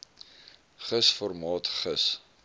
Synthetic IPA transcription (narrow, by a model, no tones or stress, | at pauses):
χəsfɔrmɑːtχəs